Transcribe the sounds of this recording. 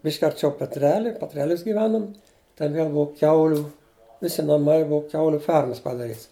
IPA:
ˈbʲɪʃʲkʲ ɐrʲˈt͡ʃʲɛʊ pʲɛtʲˈrʲæːlʲɪ pʲɛtʲˈrʲæːlʲʊs ɡʲɪˈʋʲæːnʊm tʲɛn ˈʋʲiɛlˠ ˈbʊɐ ˈkʲɛʊlʲʊ ˈʋʲɪsʲɪ nɐˈmɐɪ ˈbʊɐ ˈkʲɛʊlʲʊ ˈfʲɛrmɐs pɐdɐˈrʲiːts

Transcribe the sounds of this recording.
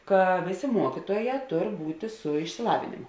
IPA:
ˈkɐ ˈʋʲeːˌsʲeː ˈmuɔkʲɪtuɔˌjɛː ˈtoːr ˈbuːtʲeː sʊ ɪʃʲsʲɪˈlˠɑːʋʲeːnʲeːmoː

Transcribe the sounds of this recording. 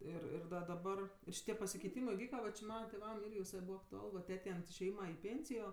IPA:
ˈɪr ɪr dɐ dɐˈbɐr ɪr ʃʲɪˈtʲiɛ pɐsʲɪkʲɛɪˈtʲiːmɜ ɪˈʋʲiːkɐ ˈʋɐ t͡ʃʲɪ ˈmɑːnɐ tʲeːˈʋɐm ˈɪrʲɡʲɪ ʋʲɪˈsɐɪ ˈbuːʋɐ ɐktʊˈɐlˠ ʋɐ ˈtʲæːtʲɛɪ ɐnt ɪʃʲeːˈjiːmɐ ɪ ˈpʲeːnʲsʲɪjoː

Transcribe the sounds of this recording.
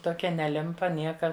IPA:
toːˈkʲɛ nʲɛˈlʲɪmpɐ ˈnʲiɛkɐ

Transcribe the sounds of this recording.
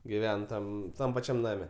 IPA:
ɡʲɪˈʋʲɛn ˈtɐm ˈtɐm pɐˈt͡ʃʲɛm ˈnɑːmʲɛ

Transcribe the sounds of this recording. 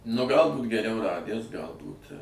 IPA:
nʊ ˈɡɐlˠ ˈbuːt ɡʲɛˈrʲɛʊ ˈrɑːdʲæs ˈɡɐlˠbuːt

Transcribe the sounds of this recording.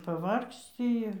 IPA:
pɐˈʋɐrksʲt͡sʲɪ ˈɪr

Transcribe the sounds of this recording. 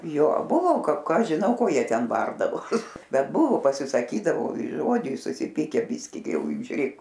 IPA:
joː ˈbʊʋoː kɐ ˈkɑː ˈɐʃ ʒʲɪˈnɐʊ ˈkoː ˈjiɛ ˈtʲɛn ˈbɐrdɐʋoːs ˈbʲɛt ˈbʊʋʊ pɐsʲɪsɐˈkʲiːdɐʋoː ɪ ˈʒoːd͡ʒʲɛɪs sʊsʲɪˈpʲiːkʲæː ˈbʲɪsʲkʲɪ ɡʲɪ ˈjɛʊ ʒʲʊˈrʲeːk

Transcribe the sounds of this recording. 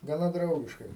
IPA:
ɡɐˈnɐ ˈdrɐʊɡʲɪʃkɐɪ

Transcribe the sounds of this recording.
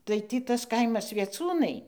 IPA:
tɐɪ ˈtʲiː ˈtɐs ˈkɐɪmɐs ʋʲiɛˈt͡suːnɐɪ

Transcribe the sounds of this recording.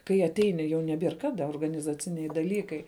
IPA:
kɐɪ ɐˈtʲɛɪnʲɪ jɛʊ nʲɛˈbʲiɛr ˈkɑːdɐ oːrɡɐnʲɪzɐˈt͡sʲɪnʲɛɪ dɐˈlʲiːkɐɪ

